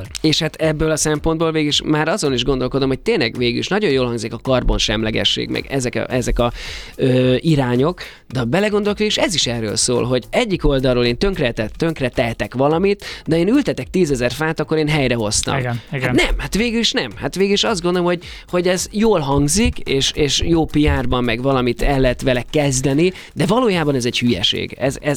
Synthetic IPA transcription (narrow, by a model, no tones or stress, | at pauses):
eːʃhat̪ɛbːøːlɒsɛmpo̞nd̪̚boːlveːɡiʃmaːɾɒzo̞niʒɡo̞nd̪o̞lko̞d̪o̞mhoc̚t̪eːnlɛɡveːɡyliʃnɒɟo̞jjoːlhɒŋɡzikɒkɒrbonʃɛmlɛɡɛ̰ʃːḛːɡmɛ̰ɡɛzɛkʔɛzɛkɒøːiɾaːɲo̞k | d̪ɛbɛlɛɡo̞nd̪olkeːɡiʃɛziʃɛrːø̰ːlso̰ːlɦo̞ɟɛɟːiko̞ld̪ɒrːoːleːnt̪ø̞ŋkrɛt̪ɛt̪øŋkrɛt̪ɛɦɛt̪ɛkʋɒlɒmit̪d̪ɛeːnylt̪ɛt̪ɛk̚t̪iːzɛzɛrfaːt̪ɒkːo̞ɾeːnɦɛjɾɛɦo̞st̪ɒ̰mhanɛmhat̪ʋeːɡyliʃnɛmhat̪ʋeːɡyliʃɒzd̪ɡond̪olomho̞ɟ | ho̞ɟɛzjoːlɦɒŋɡzikeːʃeːʃjoːpijaːrbɒmːɛɡvɒlɒmit̪ɛlːɛɦɛt̪ʋɛlɛkːɛzd̪ɛni | d̪ɛvɒloːjaːbɒnɛzɛɟhyjɛ̰ʃḛːɡɛzɛ